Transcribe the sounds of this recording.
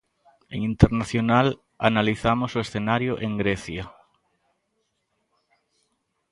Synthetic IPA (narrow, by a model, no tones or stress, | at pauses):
ḛŋint̪eɾnaθjonal | a̰naliθamoʊsʊesθenaɾjʊʔeŋɡɾeθja